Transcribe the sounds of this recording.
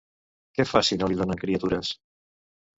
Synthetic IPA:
kɛfasinoliðonəŋkɾiət̪uɾəs

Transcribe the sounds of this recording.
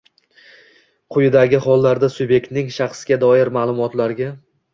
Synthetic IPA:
qʰʊjɪd̪aɡʲɪɦɒlˠːaɾd̪asʊbe̞k̚ʲt̪nɪŋʃɑχsɡʲad̪ɒɪɾmaːlˠʊmɒt̪laɾɡʲa

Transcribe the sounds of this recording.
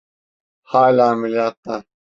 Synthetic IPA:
haːlaːmiljaːt̪ːa

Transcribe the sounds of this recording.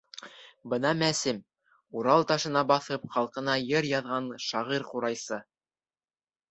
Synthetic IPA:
bɤ̆nɑmæsɘm | uɾɑlˠt̪ɑʃɤ̆nɑbɑθɤpχɑlˠqɤ̆nɑjɤɾjɑðʁɑnʃɑʁiɾquɾɑjsɤ

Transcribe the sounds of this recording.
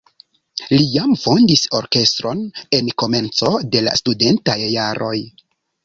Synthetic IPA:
lijamfo̞ndiso̞ɾke̞stɾo̞ne̞nko̞me̞nt͡so̞de̞la̰stude̞ntajːaɾʔo̞j

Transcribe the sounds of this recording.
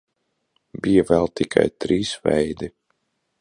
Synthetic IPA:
bijavɛlˠt̪ikʰa̰jt̪ɾiːsvɛ̰jd̪i

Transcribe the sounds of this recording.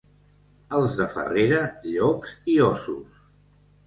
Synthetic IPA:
əlˠzðəfə̰reɾəʎɔksiɔsṵs

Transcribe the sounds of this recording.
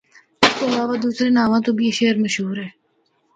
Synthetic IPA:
ɪskeɐlaːʋad̪uːsɾenaːʋãːt̪oːbʱieʃeːəɾmɐʃɦuːɾɦɛː

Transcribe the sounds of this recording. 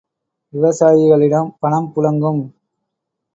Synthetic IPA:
ʋɪʋɐsaːjɪɣɐɭɪɽɐmpɐɳɐmpʊlɐŋɡɯm

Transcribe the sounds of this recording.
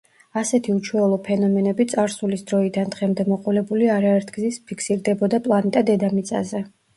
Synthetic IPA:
asɛt̪ʰiut͡ʃʰwɛlˠɔpʰɛnɔmɛnɛbit̪sʼaɾsulisd̪ɾɔid̪and̪ʁɛmd̪ɛmɔqʼɔlɛbuliaɾaɛɾt̪ʰɡ̥zispʰikʰsiɾd̪ɛbɔd̪apʼlˠanɛt̪ʼad̪ɛd̪amit̪sʼa̰zɛ

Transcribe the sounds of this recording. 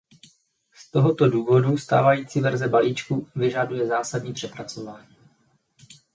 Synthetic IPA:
st̪o̞ɦo̞t̪o̞duːvo̞dust̪a̰ːvajiːt͡sivɛɾzɛbaliːt͡ʃkuvɪʒadujɛzaːsadɲiːpr̥ɛpɾat͡so̞vaːɲiː

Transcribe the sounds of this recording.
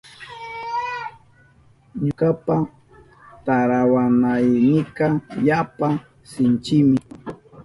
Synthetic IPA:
ɲʊkapa | t̪aɾawanajnɪkajapa | sɪnt͡ʃɪmɪ

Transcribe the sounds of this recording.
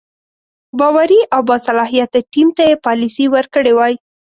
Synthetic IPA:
bɑwaɾiʔawbɑsalɑɦijat̪ʈimt̪ajepɑlisiwəɾkəɽewɑj

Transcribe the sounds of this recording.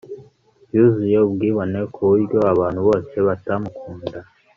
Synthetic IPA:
juzujeubɡiːβo̞ne̞kʰuβiɾɟjo̞aβaːn̥huβo̞ːse̞βatamukʰuːnda

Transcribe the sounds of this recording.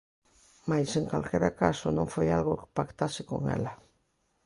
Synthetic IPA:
majseŋkalkeɾakasonõfojalɣokɪ̥pakt̪asɪko̰ŋḛlɐ

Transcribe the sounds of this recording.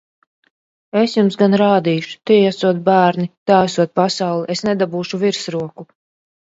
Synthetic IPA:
esjumsɡanɾaːd̪iːʃu̥t̪iasuɔt̪̚bæːɾnit̪aːsuɔt̪̚pasawlˠiʔesnɛd̪abuːʃuviɾsɾuɔku

